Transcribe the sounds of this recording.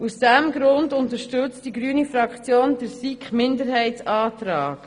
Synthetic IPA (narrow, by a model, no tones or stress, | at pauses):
usd̥ɛmɡɾʊndʊntəɾʃtɵt͡std̥iɡɾyːnifɾɑkχt͡sjoːndəɾsikχmɪndəɾɦɛɪtsɑːt̪ɾɑːk